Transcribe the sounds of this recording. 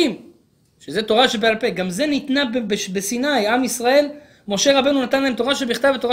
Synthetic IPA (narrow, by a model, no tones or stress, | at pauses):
im | ʃezet̪o̞ʁaʃebealpe̞ɡamze̞nit̪nabbebesinajamisʁae̞l | mo̞ʃe̞ʁabe̞nunat̪anlaemto̞ʁaʃebiχt̪avet̪oʁa